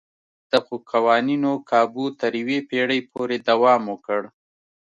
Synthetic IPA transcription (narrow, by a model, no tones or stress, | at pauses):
d̪̥əxokʰawɑninokʰɑbut̪əɾwepeɽəjpʰoɾed̪awɑmwokəɽ